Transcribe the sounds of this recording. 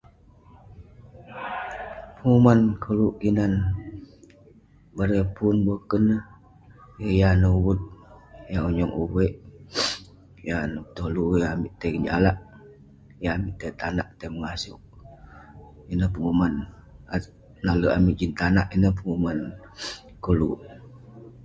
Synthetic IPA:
pəŋumankʰəluʔkinan | bəɾepunbəkənːəh | jəjanəwut̪̚jauɲɔŋʔuwəʔ | janət̪olujaamiʔt̪əkəd͡ʒa̰laʔ | jaːmiʔt̪ət̪anaʔt̪əməŋasṵʔ | inəpəŋumanaː | aləʔamiʔd͡ʒint̪anaʔinəhpəŋuman | kəlṵʔ

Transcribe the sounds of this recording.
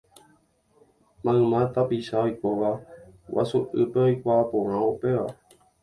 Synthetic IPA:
mãmãt̪apiʃaojkoʋawʔa̰suʔɨpeojkʷaːpõɾ̃ãopeʋa

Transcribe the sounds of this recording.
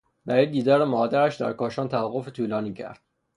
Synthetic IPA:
bæɾiːd̪ːiːd̪ɒːɾemɒːd̪æɾæʃd̪æ̰ɾkɒːʃɒːnt̪ʰævæɣːofet̪ʰuːlɒːniːcʰæ̰ɾd̪̥

